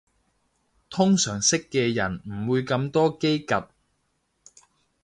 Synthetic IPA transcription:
t̪ʰʊ˥ŋsœː˨˩ŋsɪ˥kːɛː˧jɐ˨˩nm̩˨˩wuː˨˧jkɐ˧mt̪ɔː˥ke˥jkɐ˨t̚

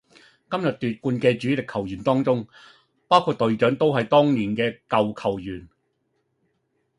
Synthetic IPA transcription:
kɐ˥mjɐ˨t̚t̪yː˨t̚kuː˧nkɛː˧t͡ʃyː˨˥lɪ˨kʰːɐ˨˩wjyː˨˩nt̪ɔː˥ŋt͡sʊ˥ŋ | paː˥wkʰuː˨t̚t̪ɵ˨˧ɥt͡ʃœː˨˥ŋt̪o˥wɦɐ˨jt̪ɔː˥ŋniː˨˩nkɛː˧kɐ˨wkʰɐ˨˩wjyː˨˩n

